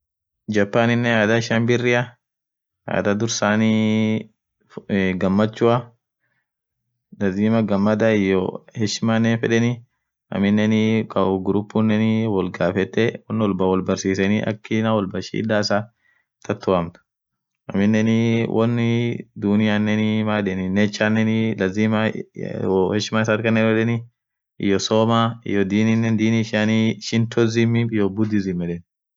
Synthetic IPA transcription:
d͡ʒɐpːaːnɪnːɛaːd̪ɐɪʃɐmbɪrːɪɐ | a̰ːd̪ɐd̪ʊɾsaːni | ɡɐmːɐt͡ʃːʊɐ | dɐd̪iːmɐɡɐmːɐd̪aɪjːɔhɛʃɪmanːɛfɛᶑɛni | ɐ̰mɪnːɛnikʼɐʊɡɾupːunːɛnɪwɔlɡaːfɛt̪ːɛwɔnːɪwɔlbɐwɔlbɐɾsiːsɛniʔɐ̰kːɪnɐwɔlbɐʃḭːd̪aːsa | t̪ʰɐt̪ʰːʊɐmt̪ʊ̥ | ʔɐ̰mɪnːɛnɪwʔɔnːɪd̪ʊnɪjanːɛnɪmaːᶑɛnɪnːɛt͡ʃːanːɛnɪlɐziːma | hɛʃɪmaːɪsaɾkɐnːɛnfɛᶑɛni | ɪ̰jːɔsoːmaːɪ̰jɔd̪iːninːɛnd̪iːniʃaniʃɪnt̪ɔzɪmɪɪjɔbʊd̪ɪzɪmːɛᶑɛn

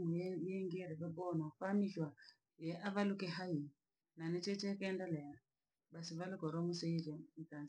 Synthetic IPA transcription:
mujjɛŋɡiɛɾɛβɛbɔnafaːmiʃwa | jɛʔaβalukɛɦai | nanɛt͡ʃɛt͡ʃɛkɛːndalɛa | basiβalukɔɾɔmusɛid͡ʒɛm̩kanz

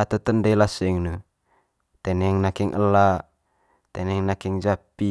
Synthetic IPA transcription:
at̪ət̪əndəlasəŋnə | t̪ɛnɛŋnakiŋʔəla | t̪ɛnɛŋnakiŋd͡ʒapi

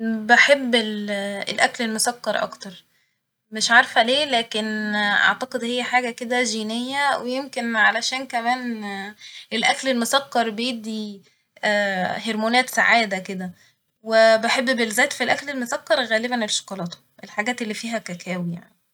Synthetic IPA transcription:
beħebːelelʔæklelmosɑkːɑɾˤʔɑ̰kt̪ɑɾˤ | meʃʕɑɾˤfæleːlæːkenʔa̰ʕt̪ɑqed̪hejːæħaːɡæked̪æʒiːnejːæwejemkenʕalæʃæːnkæmæːn | ʔelʔæklelmosɑqːɑɾˤbejebd̪ːiː | heɾmoːnæːt̪saʕaːd̪æked̪æ | webeħebːbelzːæːt̪filʔæklelmosɑkːɑɾˤɣæːlebænelʃɑ̥qɑlɑːt̪o̥ | ʔelħaɡæːt̪elːiːfiːɦækækʰæːwija̰ʕni

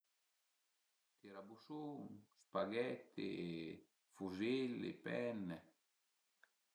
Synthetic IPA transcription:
t̪iɾabusuŋspaɡɛt̪ːḛ | fuzelḛpɛnːe

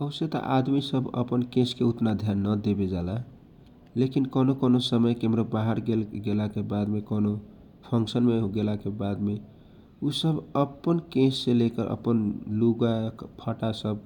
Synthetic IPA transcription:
əwset̪ə̰ʔad̪misəbʱə̰pənkẽskeut̪nad̪ʱjanːəd̪ebed͡ʒala | lekinkonokonosəməjkemɾobaɦaɾɡelɡelakebad̪mekono | pʰʌŋksənmeɡelakebad̪me | usəbʱəpːənkẽsːelekəɾʔə̰pənluɡapʰəʈasəb̚

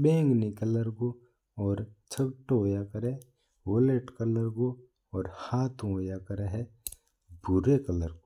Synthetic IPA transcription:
bẽːŋɡnikələɾko | ɔːɾt͡ʃʰəɡʈoːjakəɾe | woleʈkələɾko | ɔːɾhaːt̪ʰõoːjakəɾeɦɛ | bʊɾekələɾko̥

